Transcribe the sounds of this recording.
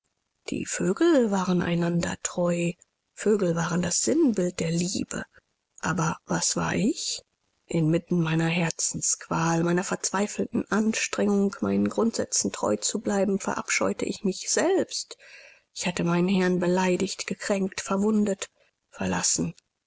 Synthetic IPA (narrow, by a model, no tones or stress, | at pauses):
d̥ḭːføːɡl̩vaːʁəna̰ɪnandɐ̰tʁ̥ɔʏ | føːɡl̩vaːʁəndasz̥ɪnbɪlt̚d̥eːɐliːbə̰ | ʔaːbɐvasv̥a̰ːɐʔɪç | ʔɪnmɪtn̩maɪnɐɦɛɐt͡sn̩skv̥aːlmaɪnɐfɛɐt͡sv̥aɪfl̩tn̩ʔanʃtʁ̥ɛŋʊŋkma̰ɪnənɡʁʊntz̥ɛ̰t͡sn̩tʁ̥ɔ̰ʏt͡sublaɪbm̩fɛ̰ɐʔa̰pʃɔ̰ʏtə̰ʔɪçmɪçz̥ɛlpst | ʔɪçhatəmaɪnənhɛɐnbəlaɪdɪçtɡ̥əkʁ̥ɛŋk̚tfɛɐvʊndət | fɛɐlasn̩